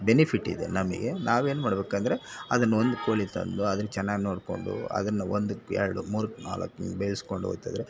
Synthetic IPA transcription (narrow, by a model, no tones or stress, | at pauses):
benipʰiʈːḭd̪e̞̰nɐmɐ̰ɡenaːʋe̞ːnumaːɽbeːkɐnd̪ɐɾeɐd̪ɐnːɐo̞nd̪ukoːɭit̪ɐ̰nd̪uɐd̪ɐɾt͡ʃɛnːaːɡino̞ːɽko̞̰ɳɖṵɐ̰d̪ɐnːɐond̪uɛ̰ɾɐɽumuːɾɐkːna̰ːlɐ̰kːbejlsko̞ɳɖuo̰ːjt̪a̰d̪ɐɾe